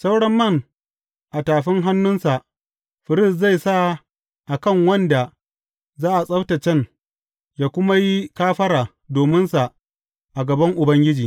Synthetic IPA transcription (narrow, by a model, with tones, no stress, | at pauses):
sa˦wɽɐ˦mːɐ˦˨ŋ | ʔa˨taː˨ɸɪ˦ŋɦa˦nːʊ˦nsa˨ʔ | ɸɪ˨ɾɪ˦˨sza˦˨jsa˦˨ | ʔa˨kɐ˦˨ŋwɐ˦nda˨ | zaː˦ʔa˨sʼɐ˦wtɐ˨t͡ʃɛ˦˨n | jaː˦kʷʊ˦ma˦ji˦kaː˦ɸɐ˦ɾaː˨ | doː˨mɪ˦nsa˨ | ʔa˨ɡɐ˨bɐ˦ŋʔʊ˨bɐ˦ŋɡʲɪ˦d͡ʒiː˨